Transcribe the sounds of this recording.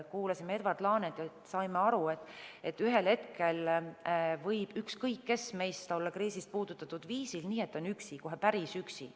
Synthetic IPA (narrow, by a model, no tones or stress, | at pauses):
kuːlɑsimee̞d̪vɑrt̪lɑːnet̪jɑ | sɑjmeɑɾue̞t̪ːˑe̞t̪ːyɦe̞lhe̞t̪ke̞l | vɤjb̥ykskɤjkːe̞sme̞jst̪o̞lːɑkɾiːsist̪̚puːd̪̥ut̪ːˑɑt̪ːˑud̪̥viːsilniːe̞t̪ːˑo̞nyksiko̞ɦe̞pæɾisyksḭ